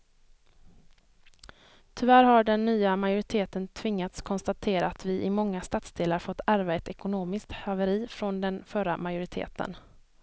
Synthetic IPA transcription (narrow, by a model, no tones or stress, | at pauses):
t̪ʰʏvæɾhaɖɛnːyːamajʊɾɪt̪ʰeːt̪ənt̪ʰvɪŋːat̪skʰɔnst̪at̪ʰeːɾaːt̪vɪʔɪmɔŋːast̪at̪sd̪eːlaɾfɔt̪ːæɾvaɛt̪ɛkʊnoːmɪskt̪havəɾiːfɾɔnd̪ɛnfœɾa̰majʊɾɪt̪ʰḛːt̪ə̰n